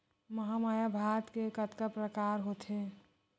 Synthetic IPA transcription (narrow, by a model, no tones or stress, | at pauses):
məɦamaːjabʱaːt̪kekət̪kəpɾəkaːɾɦot̪ʰɦe